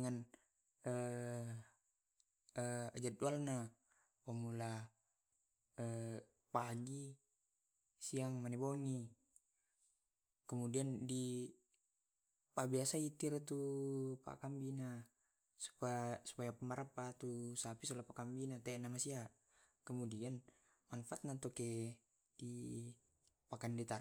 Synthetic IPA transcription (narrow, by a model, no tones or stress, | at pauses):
ŋan | ə | əad͡ʒat̪̚dualna | wamula | ə | paɡi | siaŋmanɛboŋi | kəmudiandi | pabiasait̪irt̪upa̰kambina | su̥pasu̥pajapamaɾapat̪usapisɔlapakambinat̪ɛnamasia | kəmudian | manfaat̪̚nat̪ɔkɛ | di | pakandɛt̪a